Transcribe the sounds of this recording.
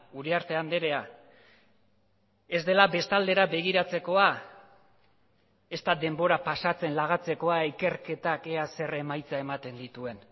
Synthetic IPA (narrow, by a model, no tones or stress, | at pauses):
uɾeaɾt̪e̞and̪e̞ɾe̞a | e̞zd̪e̞labe̞st̪ald̪e̞ɾabe̞ɣ̞iɾat͡se̞ko̞a | e̞st̪ad̪e̞mbo̞ɾapasat͡se̞nlaɣ̞at͡se̞ko̞aike̞rke̞t̪ake̞ase̞re̞majt͡sae̞mat̪e̞nd̪it̪ue̞n